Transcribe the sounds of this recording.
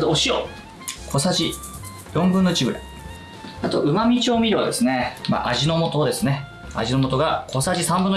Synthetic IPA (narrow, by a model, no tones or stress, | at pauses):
t̪ooɕio | kʰo̞saʑi | jõ̞mbɯ̟nːot͡ɕiɡɯɾa̰i | at̪o̞ʔɯ̟mamʲit͡ɕioːmʲiɾɯad̪e̞sɨne̞ma̰ʔaʑino̞mo̞t̪o̞d̪e̞sɨne̞ | a̰ʑino̞mo̞t̪o̞ɡakʰo̞saʑisãmbɯ̟̃nː